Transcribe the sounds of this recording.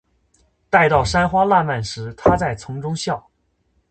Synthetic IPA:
t̪a˥˧ɪt̪ɑ˥˩ʊʂa˥nxwa˥la˥˧nma˥˩nʂɻ̩˧˥t̪ʰa˥t͡sa˥˩ɪt͡sʰʊ˧˥ŋʈ͡ʂʊ˥ŋɕjɑ˥˩ʊ

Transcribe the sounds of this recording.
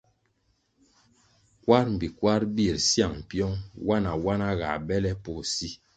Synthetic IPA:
kwa˦ɾm̩˨bi˨kwa˦ɾbi˦˨ɾsja˨ŋm˨pjɔ˦ŋwa˦na˨wa˦na˦ɣa̰˨bɛ˦lɛ˦po˨si˦

